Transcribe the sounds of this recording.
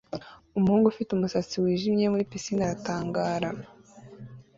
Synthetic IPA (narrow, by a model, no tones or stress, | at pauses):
umuhuːŋɡufitumusat͡siwiːʒimɲe̞muɾipisinaɾataːŋɡaːɾa